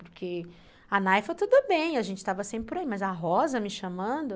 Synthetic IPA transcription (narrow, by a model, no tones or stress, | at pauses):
pʊɾkʰe | anajfot̪ud̪ʊbẽj̃ɐʒẽnt͡ʃɪ̥t̪avɐsẽmpɾɪpoɾaimɐzɐɦɔzɐmɪʃɐ̃mɐ̃d̪ʊ